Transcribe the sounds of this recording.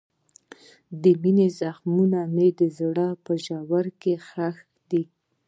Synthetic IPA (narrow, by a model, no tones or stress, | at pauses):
d̪əminezaxmunamed̪əzɽɑpəʒawaɾkexax | d̪i